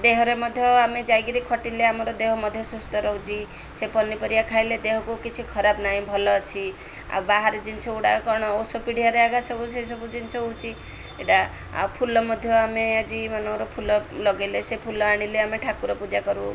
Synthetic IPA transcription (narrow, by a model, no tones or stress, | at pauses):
d̪eɦɔɾemɔd̪ʱjɔamed͡ʒajɡiɾikʰɔʈileamɔɾɔd̪eɦɔmɔd̪ʱjɔsust̪ɔɾɔɦũt͡ʃʰi | sepɔnːipɔɾijakʰajled̪eɦɔkukit͡ʃʰikʰɔɾabnaɦĩbʱɔlɔt͡ʃʰi | a̰wbaɦaɾed͡ʒint͡ʃʰɔuɽakɔɾɽ̃ɔosɔpiɽ̤ijaɾeaɡasɔbus̬es̬ɔbud͡ʒint͡ʃʰɔut͡ʃʰi | eʈa | a̰pʰulɔmɔd̪ʱjɔamead͡ʒimɔnɔ̃wɾɔpʰulɔlɔɡelesepʰulɔaɽ̃ileameʈʰakuɾɔpud͡ʒakɔɾu